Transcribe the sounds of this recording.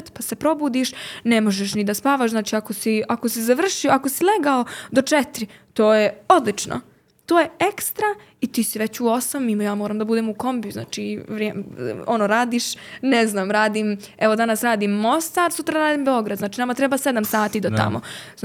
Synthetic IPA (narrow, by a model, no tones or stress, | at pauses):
t̪pase̞pɾo̞buːd̪iːʃnemo̞ʒeʃ̬nid̪aspaːʋaʃznaːt͡ʃiːako̞siako̞sizaʋr̩ʃioakosileɡao̞d̪o̞t͡ʃet̪ɾit̪oːjeo̞d̪lit͡ʃno̰ | t̪o̞ːjeekst̪ɾa | it̪iːsiʋet͡ɕuo̞samimojaːmoːɾaːmd̪abud̪emuko̞mbjuzna̰ːt͡ʃiʋɾeonoːɾaːd̪iːʃneznaːmɾaːd̪im | eʋo̞d̪anasɾaːd̪iːmːo̞st̪aːɾsut̪ɾaɾaːd̪iːmbeo̞ɡɾad̪znaːt͡ʃiːnamat̪ɾɛbased̪amsaːt̪iːd̪ot̪a̰mo̰